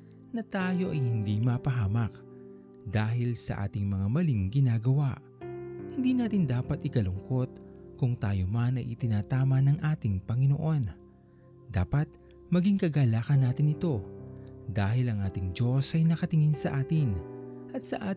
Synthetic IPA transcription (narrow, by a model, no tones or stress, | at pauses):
nɐt̪aːjo̞ʔɐjhɪnd̪imapɐɦaːmɐk | d̪aːɦɪlsɐ̰ʔa̰ːt̪ɪŋmɐŋamɐliŋɡɪnaːɡɐwaʔ | hɪnd̪iːnaːt̪ɪnd̪aːpɐt̪ʔɪkɐlʊŋko̞t̪̚kʊŋt̪aːjomanɐjʔɪt̪ɪnaːt̪aːmɐnɐŋʔaːt̪ɪŋpɐŋɪnoʔo̞n | d̪aːpɐt̪̚ | mɐɡiŋkɐɡaːlaːkɐnːaːt̪ɪnɪt̪o̞ | d̪aːɦɪlɐŋʔaːt̪ɪŋd͡ʒo̞sɐjnɐkɐt̪ɪŋɪnsɐʔaːt̪ɪnʔɐt̪̚sɐʔaː